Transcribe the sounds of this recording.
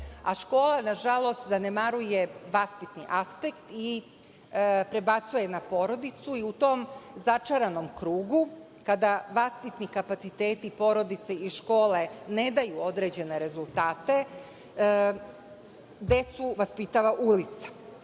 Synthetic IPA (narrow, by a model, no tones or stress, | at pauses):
aʃko̞ːlanaʒalˠo̞st̪zanemaɾuje̞ʋaspit̪niʔaspe̞kt̪i | pɾe̞bat̪suje̞napo̞ːɾo̞d̪it̪suiut̪oːmzat͡ʂaɾano̞mkɾuːɡu | kad̪aʋaspit̪nikapat̪sit̪eːt̪ipo̞ɾo̞d̪it̪seiʃko̞ːle̞ne̞d̪ajuod̪ɾe̞ːd͡ʑe̞ne̞ɾe̞zulˠt̪aːt̪e̞ | d̪e̞t̪suʋaspit̪aːʋaʔulit̪sḁ